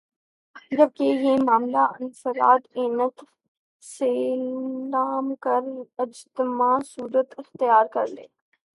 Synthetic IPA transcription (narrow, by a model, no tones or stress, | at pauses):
d͡ʒɐb̚kejeːmaːmlaʔɐnsəɾa̰ːd̪eːnət̪ | seːlaːmkɐɾɪd͡ʒt̪ɪmaːsuːɾət̪ɪxt̪ɪjaːɾkɐɾlḛː